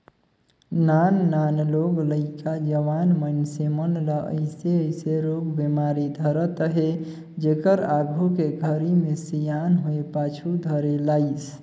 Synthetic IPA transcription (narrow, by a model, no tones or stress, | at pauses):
nanːanloɡləɪkad͡ʒəʋanmənsemənləʔə̰ɪseəjseɾoɡbemaɾid̪ʱəɾət̪əɦe | d͡ʒekəɾaɡʱukeɡʱəɾimesijanɦoepat͡ʃʰud̪ʱəɾelaɪs